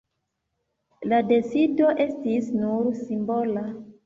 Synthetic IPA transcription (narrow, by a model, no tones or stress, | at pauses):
lade̞sido̞ʔe̞stisnuɾsimbola